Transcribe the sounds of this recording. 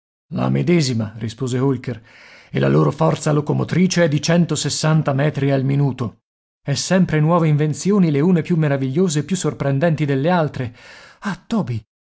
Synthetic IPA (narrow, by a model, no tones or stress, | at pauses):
la̰med̪ɛːzimarispoːzeolker | ela̰loːɾofɔrt̪salokomot̪ɾiːt͡ʃeɛd̪it͡ʃɛnt̪osesːant̪amɛːt̪ɾialminuːt̪o | ɛsːɛmpɾenwɔːveiɱvent̪sjoːnileuːnepjumːeɾaviʎːoːzeːpːjusːorpɾɛnd̪ɛnt̪id̪elːealt̪ɾeat̪ːɔːbi